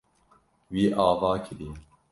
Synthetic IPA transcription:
wiːʔɑːvɑːkʰɨɾiː

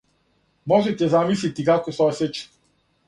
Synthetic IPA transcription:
mɔʒɛt̪ɛzamislit̪ikakɔsɔɛsɛt͡ʃ

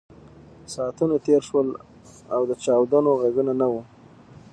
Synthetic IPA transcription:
sɑt̪unat̪eɾʃwəl | awd̪ət͡ʃɑwd̪anoɣaɡunanawu

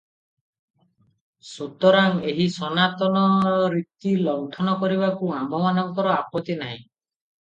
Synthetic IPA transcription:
sut̪ɔɾaŋeɦisɔnat̪ɔnɔɾit̪ilɔwt̪ʰɔnɔkɔɾiβakuambʱɔmanɔŋkɔɾɔapɔt̪inaɦḭ̃

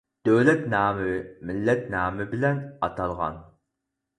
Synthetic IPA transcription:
d̪̥øwlɛt̪nɑːmɪmɪlːɛt̪nɑːmɪbɪlɛnɑt̪ʰɑlˠʁɑ̰n

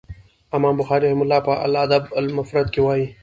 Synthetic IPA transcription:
ɐmãːmbʊxɑːɾiɾɐhɪmʊlːaːpəʔa̰lːd̪ɐbalmɐfɾɐd̪̚kewaːi

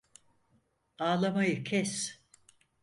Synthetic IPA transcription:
aːlˠamajɯkʰɛs

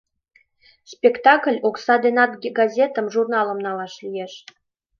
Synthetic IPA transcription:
spʲekt̪ɑkəlʲoksɑd̪enɑt̪ɡɡɑzʲet̪ə̆mʒurnɑlə̆mnɑlɑʃlijeʃ

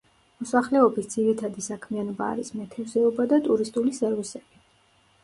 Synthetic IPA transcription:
mɔsaχlɛɔbisd̪ziɾit̪ʰad̪isakʰmianɔba̰ːɾismɛt̪ʰɛvzɛɔbad̪at̪ʼuɾist̪ʼulisɛɾvisɛb̥i

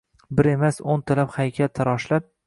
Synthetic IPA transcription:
bɪɾe̞masont̪ʰalaphajkʲʰat̪ʰaɾɒʃlap̚

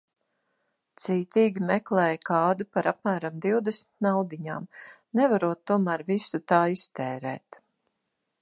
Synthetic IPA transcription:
t̪siːt̪iːɡʲimɛklˠɛːjkɑːd̪upaɾap̚mæːɾamd̪iwd̪ɛsmit̪̚nawd̪iɲaːmnɛvaɾuɔt̪ːuɔmæːɾvisut̪aːist̪ɛːɾɛ̰ːt̪

